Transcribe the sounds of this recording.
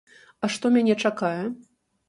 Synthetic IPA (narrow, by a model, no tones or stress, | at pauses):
ɐʂt̪ɔmʲanʲɛt͡ʂakajɛ